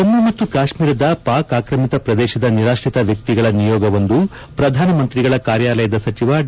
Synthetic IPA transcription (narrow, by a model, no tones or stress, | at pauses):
ɐmːumɐt̪ːukaːʂmiːɾɐd̪ɐpaːkaːkɾɐmit̪ɐpɾɐd̪ɛːʃɐd̪ɐniɾaːʂɾit̪ɐʋjɐk̚t̪iɡɐɭɐnijɔːɡɐʋond̪u | pɾɐd̪ʱaːnɐmɐnt̪ɾiɡɐɭɐkaːɾjaːlɐjɐd̪ɐsɐt͡ʃiʋa